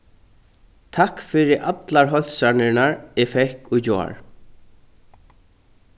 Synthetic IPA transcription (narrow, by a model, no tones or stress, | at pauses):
t̪ʰahkfɪɾɪɾʔat̪laɾɦœl̥sanɪɹnaɹɪfɛhkʊɣd͡ʑoːa̰ɹ